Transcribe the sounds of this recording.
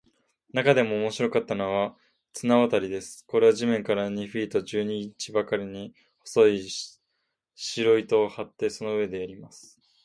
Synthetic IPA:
nakad̪e̞mo̞ːmo̞ɕiɾo̞kat̪ːano̞βa | t͡sɨnaβat̪aɾʲid̪e̞sɨ̥ko̞ɾe̞βaʑimẽ̞ŋkaɾaɲ̟iɸiːt̪o̞ʑɨːɲ̟it͡ɕibakaɾʲiɲ̟i | ho̞̥so̞i | ɕiɾoit̪o̞ːhat̪ːe̞so̞no̞ɯe̞d̪e̞jaɾʲimasɨ̥

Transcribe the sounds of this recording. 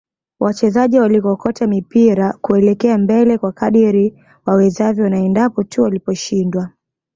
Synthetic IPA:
wʔat͡ʃɛzaʄiwalikɔkɔtamipiɾakuɛlɛkɛambɛlɛkwakaɗiɾi | wawɛzavjɔnaɛndapɔtʰuwalipɔʃindwa

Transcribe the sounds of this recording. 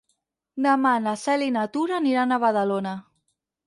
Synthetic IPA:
d̪əmanasɛlinat̪uɾaniɾanaβaðalona

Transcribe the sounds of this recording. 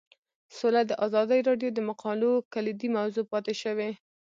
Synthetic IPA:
solad̪əʔazɑd̪əjɾɑɖjod̪əmaqʰɑlokalid̪imawzopɑt̪eʃəwe

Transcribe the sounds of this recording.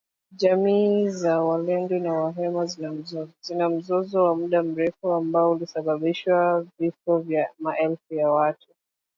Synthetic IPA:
ʄamiːzawalɛndɔnawaɦɛma | zinam̩zɔzɔwamuɗam̩ɾɛfuambaɔulisaɓaɓiʃwavifɔvjamaʔɛlfujawatʰu̥

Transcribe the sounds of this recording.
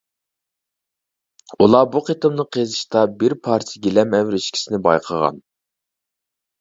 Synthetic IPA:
ulˠɑbuqʰet̪ɨmnɨqʰezɨʃt̪ɑbɪɾpʰɑɾt̪ʰjɡʲelɛmɛwɾɪʃkʲʰi̥sɪnɪbɑ̰jqʰəʁɑ̰n

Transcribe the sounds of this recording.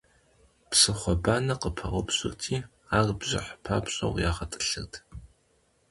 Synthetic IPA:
psɨχʷɔbaːnɐqəpʰɐʁʷʊpɕʼɨrtʰiː | aːrbʑɪ̰ħpʰa̰ːpɕʼɐ̰wjaːχɐtʼɨ̥ɬɨrtʰ

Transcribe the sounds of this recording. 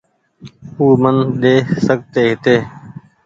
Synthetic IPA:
uːmənɗ̪eːsəɡ̚t̪eːɦɪt̪eː

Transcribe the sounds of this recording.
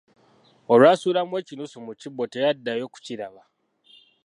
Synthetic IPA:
o̞lwaːsuːɾamwe̞ːcinusumucibo̞tejadːajo̞ːku̥ciɾaβa

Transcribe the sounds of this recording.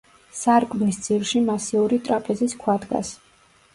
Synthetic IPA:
saɾkʰʼmnisd̪z̥ilʃimasiuɾit̪ʼɾapʰɛziskʰwad̪ɡa̰s

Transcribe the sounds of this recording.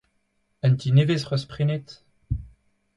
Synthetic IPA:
ɛnt̪inevesʁœspχinet̪

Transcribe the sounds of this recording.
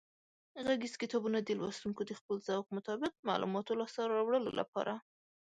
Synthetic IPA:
ɣaɡiskɪt̪ɑbunad̪əlwɑst̪uŋkod̪əxpəlz̥awk̚mʊt̪ɑbɪq̚ma̰lṵmɑt̪olɑsaɾaɾɑwɽəlo̰la̰pɑ̰ɾʔa

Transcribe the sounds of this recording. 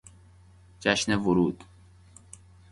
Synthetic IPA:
d͡ʒæʃnevoɾuːd̪̥

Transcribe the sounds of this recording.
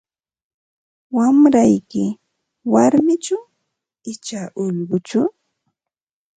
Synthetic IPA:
wamɾajkɪ | waɾmɪt͡ʃaw | ɪt͡ʃaʔʊʎɢʊt͡ʃʊ

